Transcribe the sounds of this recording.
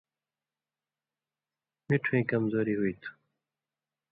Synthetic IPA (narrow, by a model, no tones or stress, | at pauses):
miʈʰuẽːkɐmzoːɾiɦuit̪ʰu̥